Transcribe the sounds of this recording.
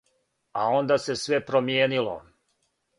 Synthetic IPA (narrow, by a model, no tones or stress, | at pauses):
a̰o̞nd̪ase̞sʋe̞pɾomjeːnilo̰